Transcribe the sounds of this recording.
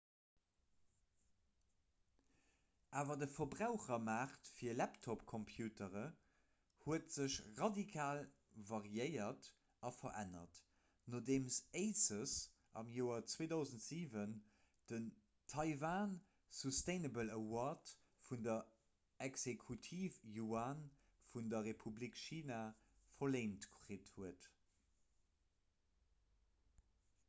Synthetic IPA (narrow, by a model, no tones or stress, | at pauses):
ʔaːvɐdəfɐbʁaʊχɐmaːχtfiːɐlæptʰɔpkʰɔmpʰjuːtəʁə | huətz̥əɕʁɑdikʰaːl | vɑʁjəɪɐt | ɑfɐʔæ̰nɐ̰t | noːdeːmseɪsəs | ʔɑ̰mjoːɐt͡sweːdɑʊzəntz̥iːvən | d̥ən | tʰɑɪvaːn | susteɪnəbələwɔt | fundɐ | ɛksekʰutʰiːfjuaːn | fundɐʁepʰublikʃiːna | fɐleɪntkʁeːthuət